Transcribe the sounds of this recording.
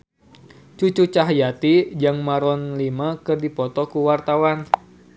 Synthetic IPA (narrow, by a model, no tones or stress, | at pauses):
t͡ʃut͡ʃut͡ʃaɦjat̪id͡ʒaŋmaɾɔnlimakɨrdipɔt̪ɔkuwart̪awan